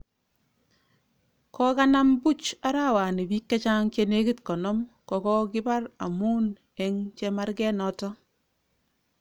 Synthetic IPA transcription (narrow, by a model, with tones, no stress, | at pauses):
kɔ˦ka˦na˦mbu˦t͡ʃa˦ɾa˦wa˨ni˨bi˦kːe˦t͡ʃa˦ŋt͡ʃe˨ne˦ki˦tkɔ˨nɔ˦mkɔ˨kɔ˦kɪ˦ba˦ra̰˨mu˦n | ɛ˨ŋt͡ʃɛ˦ma˦rɡɛ˦nɔ˦tɔ˦